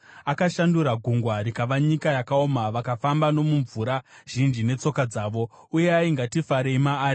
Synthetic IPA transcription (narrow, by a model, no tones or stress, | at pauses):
akaʃanduɾaɡʱuŋɡwaɾikaʋaɲikajakaomaʋakafambano̞muɱvuɾa | ʒ̥ind͡ʒine̞t͡so̞kad͡zaːʋo̞ | uje̞aiŋɡatifaɾe̞imaːri